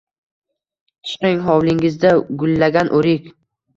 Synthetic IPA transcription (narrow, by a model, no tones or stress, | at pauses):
ɪ̥ʃqɪŋɦɒwlɪŋɪzd̪aɡʊlːaɡʲanʔoɾɪkʲ